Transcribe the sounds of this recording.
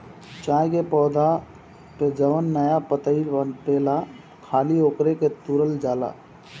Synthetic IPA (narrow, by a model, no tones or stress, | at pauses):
t͡ʃajkepɔːd̪a | ped͡ʒəʋənːəjapət̪əɪbənʈela | kʰaliokɾeket̪uɾəld͡ʒala̰